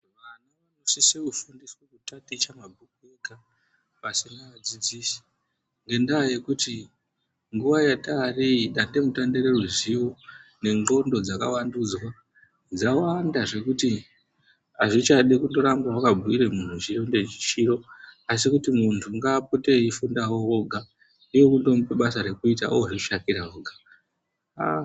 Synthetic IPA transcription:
ʋanaʋanosisekufundiswekutatit͡ʃamabʱukueka | pasinaʋad͡zid͡zisi̥ | ŋɡe̞ndaje̞kuti | ŋɡuʋajatariɗande̞mutandeɾe̞ruziwo̞ne̞ŋɡo̞ndo̞d͡zakawandud͡zwa | d͡zawandaʐe̞kuti | aʐit͡ʃaɗikundo̞ɾamɡwawakabʱuiɾe̞mun̤ut͡ʃiro̞nde̞t͡ʃi̥t͡ʃiɾo̞as̬ikutimuntʰuŋɡaːpo̞teifundawo̞oɡʱa | nijo̞kundo̞mupeɓasaɾe̞kuita̰ʔoʐekuʃakiɾaoɡʱa

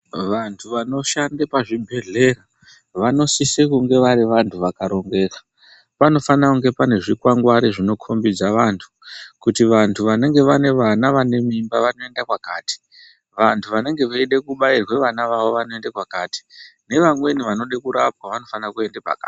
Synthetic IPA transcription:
ʋantʰuʋano̞ʃandepaʐibʱe̞ɮe̞ra | ʋano̞sisekuŋɡe̞ʋaɾiʋantʰuʋakaɾo̞ŋɡe̞ːkḁ | pano̞fanakuŋɡe̞pane̞ʐikwaŋɡwaɾiʐino̞kʰo̞mbid͡zaʋantʰu̥kutiʋantʰuʋane̞ŋɡe̞ʋane̞ʋanaʋane̞mimbaʋano̞e̞ndakwakaːti̥ | ʋantʰuʋane̞ŋɡe̞ʋaiɗekuɓairwe̞ʋanaʋaʋo̞ʋanoe̞ndakwakaːti̥ne̞ʋamwe̞niʋano̞ɗekuɾap̚waʋano̞fanakue̞ndepa̰ka̰ː

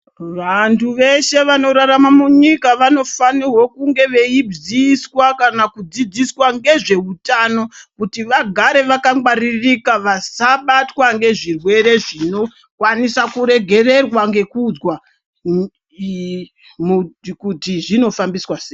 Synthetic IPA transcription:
ʋantʰuʋe̞ʃe̞ʋano̞ɾaɾamamuɲikaʋano̞fanirwo̞kuŋɡe̞ʋe̞ib͡ʐiswakanakud͡zid͡ziswaŋɡe̞ʐe̞utano̞kutiʋaɡʱaɾe̞ʋakaŋɡwaririkaʋasaɓatwaŋɡe̞ʐirwe̞ɾe̞ʐino̞ | kwanisakuɾe̞ɡʱe̞re̞rwaŋɡe̞kud͡zwa | mukutiʐino̞fambiswaseː

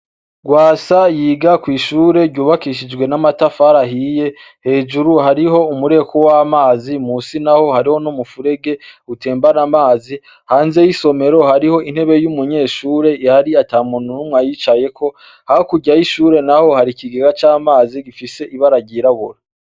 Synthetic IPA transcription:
ɡwaːsajiːɡakwiːʃuːɾe̞ɾɟuːβakiʃ̬id͡ʒɡwe̞namatafaɾaɦije̞ | he̞ːʒuɾuhaɾiɦo̞umuɾe̞kʰo̞waːmaːzimuːsinaho̞haɾiho̞numufuɾe̞ɡe̞ute̞ːmbanamaːzi | haːnze̞jiso̞me̞ɾo̞haɾiho̞in̥he̞βe̞jumuɲe̞ːʃuːɾe̞ihaɾiataːmununumwajit͡ʃaje̞ko̞ | hahokuɟajiʃuːɾe̞naho̞haɾikiɡeɡat͡ʃaːmaːziɡifise̞ʔiβaɾaɟiɾaβuɾa

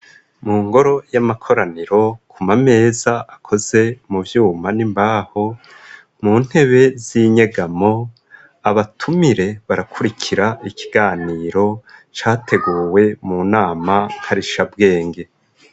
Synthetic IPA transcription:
muːŋɡo̞ɾo̞jamakʰo̞ɾaniɾo̞kʰumame̞ːzaʔakʰo̞z̥e̞muvjuːmanimbaːho̞ | muːn̥he̞βe̞ziːɲe̞ɡamo̞ | aβatʰumiɾe̞βaɾakʰuɾikʰiɾaikiɡaːniːɾo̞t͡ʃaːtʰe̞ɡuːwe̞munaːmahaɾiʃabɡe̞ːŋɡe̞

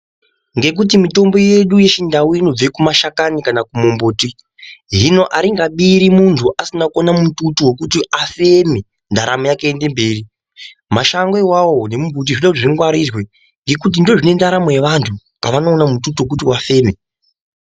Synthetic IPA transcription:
ŋɡe̞k̬ut̬imito̞mbo̞je̞ɗuje̞ʃindawuino̞b͡vekumaʃakanikanakumombuːti | ɦino̞ʔaɾiŋɡaɓiɾimuntʰuʔasinakonamututuwokutiʔafe̞me | ndaɾʔamojakeende̞mbe̞ːri | maʃaŋɡe̞wawo̞ne̞mumbut̬iʐoɗakutiʐiŋɡwaɾirwe̞ | ŋɡe̞kut̬indo̞ʐine̞ndaɾamojeʋantʰu | kaʋanoːnamututuwok̬utiwafe̞ːme̞

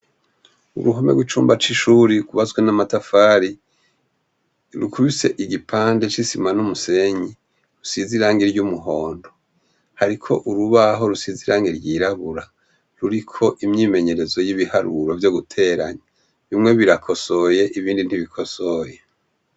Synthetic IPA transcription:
ṵɾuɦomeɡwit͡ʃuːmbat͡ʃiʃuɾiɡuβazɡwenamatafaːɾi | ɾukʰuβise̞ʔiɟipʰaːnde̞t͡ʃisimanumuse̞ɲi | ɾusiziɾaːŋɡiɾɟumuɦo̞ːndo̞ | haɾikʰo̞̰ʔuɾuβaɦo̞ɾusiziɾaːŋɡiɾɟiːɾaβuɾa | ɾuɾikʰo̞ʔimɲiːme̞ɲe̞ɾe̞zo̞jiβihaɾuɾo̞vjo̞ɡutʰe̞ːɾa̰ɲa | βimŋe̞βiɾakʰo̞so̞je̞ʔiβiːndin̥hiβikʰo̞soje

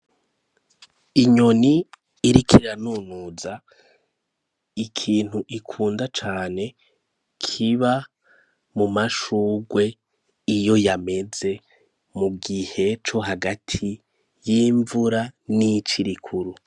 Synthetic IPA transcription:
iɲo̞niː | ɾikʰiɾanunuza | ikʰiːn̥huʔikʰuːndat͡ʃaːne̞ | kʰiβa | mumaʃuːɡwe̞ | ijo̞jame̞ze̞ | muɡihe̞t͡ʃo̞ɦaɡatʰi | jiːɱvuɾanit͡ʃiɾikʰuɾu

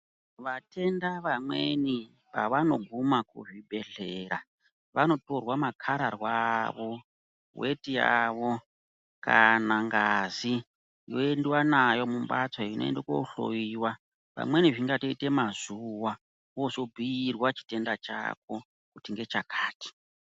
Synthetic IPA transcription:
ʋatʰe̞ndaʋamwe̞ni | pa̰ʋano̞ɡʱumakṵʐibʱe̞ɮe̞ɾa | ʋano̞to̞rwamakʰaɾarwaʋo̞ | we̞tija̰ʋo̞ | kanaŋɡazi | jo̰e̞ndiwanajo̞mumbat͡saino̞̰ḛndeko̰ɬo̰iwa | ʋa̰mwe̞niʐiŋɡato̞ite̞mazuwa | wo̞so̞bʱiirwat͡ʃi̥te̞ndat͡ʃa̰k̚o̞ | kutiŋɡe̞t͡ʃakʰaːti̥

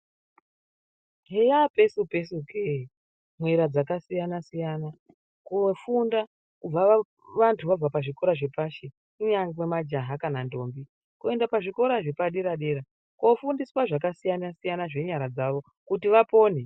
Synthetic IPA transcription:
ɦejape̞supesukʰei | mwe̞ɾad͡zakasijanasijana | kofunda | kub͡va | ʋantʰuʋab͡vapaʐiko̞ɾaʐe̞paʃe | kuɲaŋwemad͡ʒaɦakanando̞ːmbi | kue̞ndapaʐiko̞ɾaʐe̞paɗeɾaɗe̞ɾa | kofundiswaʐakasijanasijanaʐe̞ɲaɾad͡zaʋo̞ | kutiʋapo̞ːne

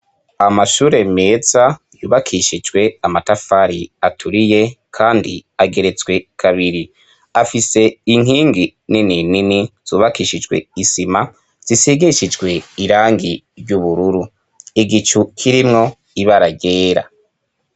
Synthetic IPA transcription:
amaʃuːɾe̞me̞ːza | juːβakʰiʃid͡ʒɡwe̞amatafaɾiatʰuɾije̞kʰaːndiaɡe̞ɾe̞t͡swe̞kʰaβiɾi | afise̞iŋ̥iːŋɡininininiz̥uːβakiːʃid͡ʒɡwe̞̰isima | z̥isiɡiʃid͡ʒɡwe̞iɾaːŋɡi | ɾɟuβuɾuɾu | iɡit͡ʃukʰiɾimŋo̞ | iβaɾaɡeːɾa̰

